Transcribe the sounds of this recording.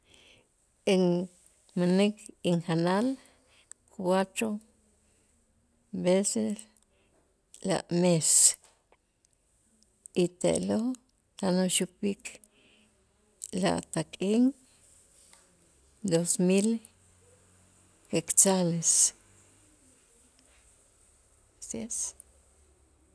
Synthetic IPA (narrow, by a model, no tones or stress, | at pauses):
eŋ | manikiŋxanal | kʰwat̪ɾo | beses | la̰ʔmes | it̪ḛʔlo | t̪anoʃupikʰ | la̰ʔt̪aqʼiŋ | d̪osmil | kekt͡sales | ses